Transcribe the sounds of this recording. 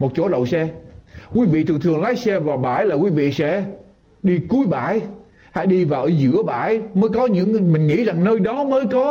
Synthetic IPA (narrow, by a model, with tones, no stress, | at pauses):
mo˨˩t̚t͡ɕo̰˧˥˦ɗə̰˧˨wsɛ˧kwi˨˦vḭ˧˨t̪ʰɨ˨˩əŋt̪ʰɨ˨˩əŋlaː˨˦jsɛ˧vaː˨˩wɓaː˧˩jlaː˨˩kwi˨˦vḭ˧˨sɛ̰˧˥ | ɗi˧ku˨˦əjɓaː˧˩j | ha̰ː˧˥jɗi˧vaː˨˩ʔəː˨˦zɨ̰˧˥əɓa̰ː˧˩jməː˨˦jkɔ˨˦ɲɨ̰˧˥ŋmï˨˩ŋ̟ŋḭ˧˥za˨˩ŋnəː˧jɗɔ˨˦məː˨˦jkɔ˨˦